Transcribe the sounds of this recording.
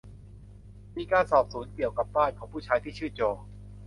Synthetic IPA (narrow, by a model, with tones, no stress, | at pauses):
miː˧kaː˧nsɔː˨˩p̚suː˩˦ənki˨˩əwka˨˩p̚baː˥˩nkʰɔː˩˦ŋpʰuː˥˩t͡ɕʰaː˦˥jt̪ʰiː˥˩t͡ɕʰɯː˥˩t͡ɕoː˧˩